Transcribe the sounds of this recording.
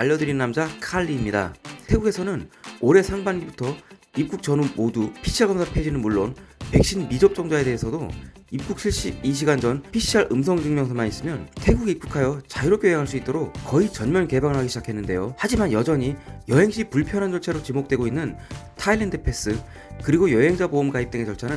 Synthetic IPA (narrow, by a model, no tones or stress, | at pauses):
aʎːʌdɯɾinːamd͡ʑakʰaɭːiːmɲida̰tʰe̞ɡuɡe̞sʰʌnɯnoɾe̞sʰaŋbanɡibutʰʌip̚k͈uk̚t͡ɕʌnumodupʰi̥ɕʰiaɭɡʌmsʰaɾɯpʰed͡ʑinɯnmuɭːonpe̞k̚ɕ͈inmid͡ʑʌp̚t͡ɕ͈ʌŋd͡ʑae̞de̞ɦesʰʌdoip̚k͈uk̚ɕʰiɭɕ͈ibiɕ̬ʰiɡand͡ʑʌnpʰiɕʰiaɾʔɯms̬ʰʌŋd͡ʑɯŋmjʌŋs̬ʰʌmaɲis͈ɯmjʌntʰe̞ɡuɡip̚k͈ukʰajʌt͡ɕaiɾopkʰejeŋɦaɭs͈uit͈oɾok̚k͈ʌit͡ɕʌnmjʌnke̞baŋɯɭɦaɡiɕʰid͡ʑakʰe̞nːɯnde̞johad͡ʑimanjʌd͡ʑʌɲijʌɦe̞ŋɕʰipuɭpʰjʌnɦand͡ʑʌɭt͡ɕʰeɾot͡ɕimok̚t͈we̞ɡoinːɯntʰailːe̞ndɯpʰe̞s͈ɯ | kɯɾiɡojʌɦe̞ŋd͡ʑaboumkaip̚t͈eŋe̞t͡ɕʌɭt͡ɕʰanɯn